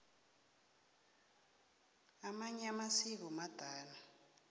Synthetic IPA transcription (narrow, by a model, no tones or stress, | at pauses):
amaɲamasik̬ɔmad̥ʱaːna